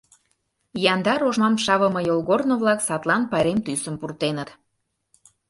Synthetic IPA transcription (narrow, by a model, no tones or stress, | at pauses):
jɑnd̪ɑɾoʒmɑmʃɑβəmɤjolˠɣornoβlɑksɑt̪lˠɑnpɑɾemt̪ysə̆mpurt̪enət̪